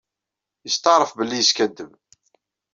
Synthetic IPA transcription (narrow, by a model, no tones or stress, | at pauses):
jəst̪ɑɾˤəfbəlːijəskæd̪ːəm